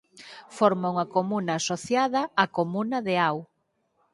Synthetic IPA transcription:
foɾmauŋɐkomunaːsoθjaðɐakomunɐðeaw

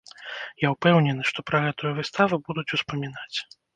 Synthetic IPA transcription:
jawpɛwnʲɛnɨʂt̪ɔpɾɐɣɛt̪ujuvɨst̪avɨbud̪ut͡sʲuspɐmʲin̪at͡sʲ

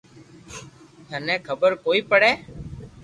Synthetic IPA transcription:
t̪ʰənɛ̃ːkʰəbəɾkoːiːpəɽeː

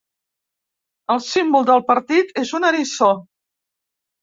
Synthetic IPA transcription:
əlˠsimbulˠd̪əlˠpəɾt̪it̪ezunəɾiso

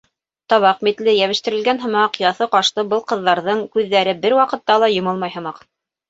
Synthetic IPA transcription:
t̪ɑβɑqmit̪lɘjæβɘ̆ʃt̪ɘ̆ɾɘ̆lɡænɦɤ̆mɑqjɑθɤqɑʃlˠɤbɤlˠqɤ̆ðːɑɾðɤɴkʉðːæɾɘbɘɾwɑqɤ̆t̪ːɑlˠɑjŏmɤlˠmɑjɦɤ̆mɑq

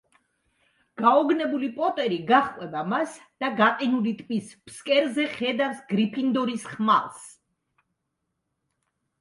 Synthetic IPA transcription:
ɡ̥aɔɡnɛbulipʼɔt̪ʼɛɾiɡaχqʼwɛbamasd̪̥aɡaqʼinulit̪ʼpʼispskʼɛɾzɛχɛd̪avsɡɾipʰind̪ɔɾisχma̰lˠs

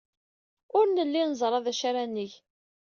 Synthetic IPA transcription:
ʊɾnəlːinzˤəɾˤɑðæʃaɾænːəʝ

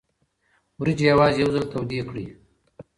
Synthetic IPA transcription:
wɾid͡ʒijawɑːzjawzəlt̪ʰawd̪iːkɽiː

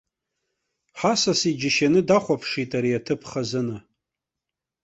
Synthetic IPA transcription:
ħasasid͡ʒɪʃanɨdaχʷapʰʂitʼaɾiatʰɨpʰχazɨnɨ

